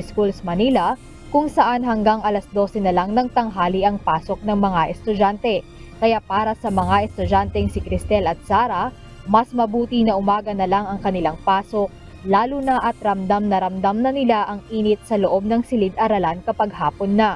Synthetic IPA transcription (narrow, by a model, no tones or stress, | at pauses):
skulsmɐniːlɐ | kʊŋsɐʔanɦɐŋɡaŋʔɐlɐsd̪o̞sɛnɐlaŋnɐŋt̪ɐŋɦaːliʔɐŋpaːsok̚nɐŋmɐŋaʔɛst̪ʊd͡ʒant̪ɛ | kɐjapaːɾɐsɐmɐŋaʔɛst̪ʊd͡ʒant̪ɛŋsɪkɾɪst̪ɛlɐt̪̚saːɾɐ | mɐsmɐbuːt̪inɐʔʊmaːɡɐnɐlaŋɐŋkɐnɪlaŋpaːsok̚ | laːlunɐʔɐt̪̚ɾɐmd̪amnɐɾɐmd̪amnɐnɪlaʔɐŋʔiːnɪt̪̚sɐloʔo̞b̚nɐŋsɪlɪd̪ɐɾɐlankɐpɐɡ̚haːponːɐ